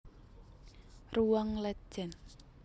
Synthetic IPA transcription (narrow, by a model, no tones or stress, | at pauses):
ruwaŋlɛt͡ʃɛn